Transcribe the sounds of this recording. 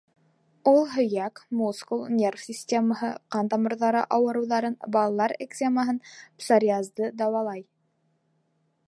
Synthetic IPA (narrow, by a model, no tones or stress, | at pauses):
ulˠɦɵ̆jækmuskulˠnʲe̞rfsʲisʲtʲeməɦɤqɑnt̪ɑmɤ̆ɾðɑɾɤ̰ʔɑwɤ̆ɾɤ̆wðɑɾɤnbɑlˠɑlˠɑɾḛksʲeməɦɤnpsoɾʲiazd̪ɤd̪ɑwɑlˠɑj